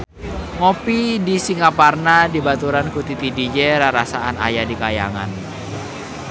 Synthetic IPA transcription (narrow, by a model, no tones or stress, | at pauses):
ŋopidisiŋaparnadibat̪uɾankut̪it̪idid͡ʒeɾaɾasaana̰jadikaja̰ŋa̰n